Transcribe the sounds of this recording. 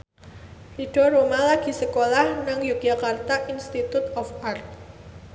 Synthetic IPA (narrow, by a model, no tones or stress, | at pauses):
iɖ̥ɔ̤ɾomalaɡ̥i̤səkolahnaŋjukijakart̪aʔinst̪it̪ut̪ɔfart̪̚